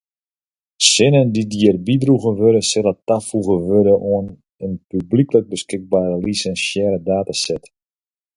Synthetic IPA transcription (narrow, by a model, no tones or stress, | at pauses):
sɪnəndidiərbidruɣəʋøɾəsɪlətafuɣəʋøɾəʔuən | ənpybliklək̚bəskɪk̚baːɾəlisɛnsjɛːlədaːtasɛt